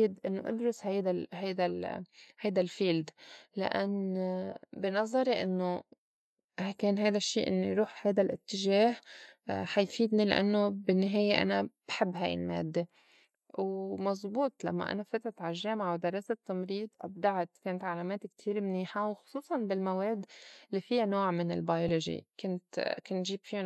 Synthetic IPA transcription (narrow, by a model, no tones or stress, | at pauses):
d̪ʔɪnːoʔɑ̰d̪ɾʊshajd̪ahajd̪alhajd̪alfiːld̪la̰ʔanː | bɪnɑzˤːɑɾiʔɪnːo | hakeːnɦajd̪aʃːiːʔɪ̰nːḭɾuːħhajd̪alʔɪt̪ːɪʒeːhħajfiːd̪nila̰ʔa̰nːobɪnːaɦeːjeʔa̰nab̥ħɪbːɦa̰jɪ̰lmḛːd̪ːe | wmɑzˤbuːt̪ˤla̰mːa̰ʔa̰nafat̪ɾat̪ʕaʒeːmaʕawd̪ɑrˤːɑːset̪ːɑmɾiːd̪ˤʔa̰b̚d̪aʕat̪keːnat̪ʕalaːmeːt̪kt̪ʰiːɾmniːħawxʊ̥sˤuːsˤɑnbɪlmaweːd̪lːiːfijanoːʕmɪnɪ̰lbajoloʒḭkʊnt̪kʊnʒiːbfi